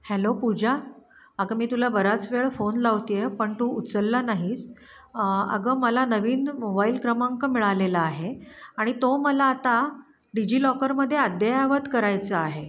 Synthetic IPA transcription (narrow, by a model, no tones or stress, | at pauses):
helopud͡ʑa | əɡəmiːt̪ulabəɾat͡sʋeɭfonlaʋt̪jepəɳt̪uːut͡səlːanaɦiːt͡s | ə̰ɡəməlanəʋiːnmobailkɾəmaŋkəmiɭalelaːɦeaɽ̃it̪oməlaːt̪a | ɖid͡ʑiːlɔkəɾməd̪ʱːjead̪ʱjajaʋət̪kəɾajt͡səaɦe